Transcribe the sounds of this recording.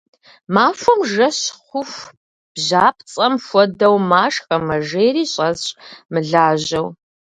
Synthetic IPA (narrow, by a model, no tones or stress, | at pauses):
maːfʊmʒɐɕχʷʊf | b̥ʑaːp̚ʰt͡sʼɐmfʷɔdɐwmaːʂxɐmɐʒeːɾiːɕʼɐzɕmɨɮaːʑɐw